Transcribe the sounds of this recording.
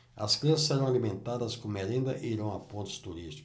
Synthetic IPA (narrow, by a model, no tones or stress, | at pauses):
ɐsklɐ̃ɐsɛɾɐ̃w̃alimẽnt̪ad̪ɐskõmeɾẽnd̪ɐʔiiɾɐ̃w̃ɐpõnt̪ʊ̥st̪uɾist̪i̥k